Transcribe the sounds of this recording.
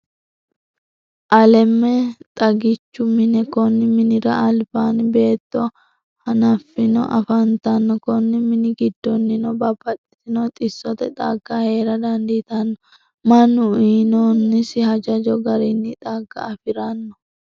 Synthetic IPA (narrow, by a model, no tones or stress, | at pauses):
ʔɐlɛmːɛt̪ʼɐɡɪt͡ʃːʊmɪnɛkɔnːɪmɪnɪɾɐʔɐlbaːnbe̞ːt̪ːɔ | hɐnɐfːɪnɔ̰ʔɐ̰fɐnt̪ɐnːɔkɔnːɪmɪnɪɡɪd̪ːɔnːɪnɔbɐbɐtʼːɛ̥t̪ɪnɔt̪ʼɪsːɔt̪ɛt̪ʼaːɡahe̞ːɾɐd̪ɐnd̪it̪ɐnːɔ | mɐnːʊiːnɔnːɪsɪhɐd͡ʒɐd͡ʒɔɡɐɾɪnːɪt̪ʼaːɡːɐ̰ːfɪɾɐnːɔ